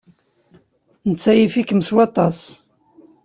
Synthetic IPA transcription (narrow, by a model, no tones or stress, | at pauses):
nət͡sːæjifikəmswɑt̪ˤɑs